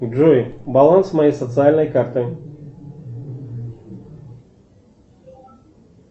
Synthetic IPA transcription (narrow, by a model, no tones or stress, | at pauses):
ʐujbalˠansmajejsɐt̪sɨalʲnɐjkart̪ɨj